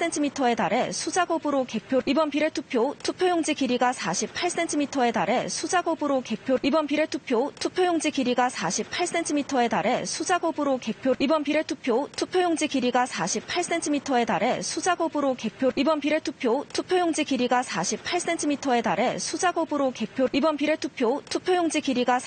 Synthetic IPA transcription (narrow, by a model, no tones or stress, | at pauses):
s͈entʰimitʰʌe̞daɾesʰud͡ʑaɡobɾoke̞pʰjoibʌnpiɾe̞tʰupʰjotʰupʰjojoŋd͡ʑiɡiɾiɡasʰaɕʰip̚pʰaɭs͈e̞ntʰimitʰʌe̞daɾe̞sʰud͡ʑaɡobɯɾoke̞pʰjoibʌnpiɾetʰupʰjotʰupʰjojoŋd͡ʑiɡiɾiɡasʰaɕʰippʰaɭs͈e̞tʰimitʰʌe̞daɾe̞sʰud͡ʑaɡobɯɾoke̞pʰjobʌpiɾetʰupʰjotʰupʰjoŋd͡ʑiɡiɾiɡasʰaɕʰipʰas͈entʰimitʰʌe̞aɾe̞ud͡ʑaɡobɾoke̞pʰjoibʌnpiɾ̞tʰupʰjotʰupʰjojoŋd͡ʑiɡiɾiɡasʰaɕʰippʰaɭs͈e̞ntʰimitʰʌe̞daɾe̞sʰud͡ʑaɡobɯɾoke̞pʰjoibʌnpiɾetʰupʰjotʰupʰjojoŋd͡ʑiɡiɾiɡa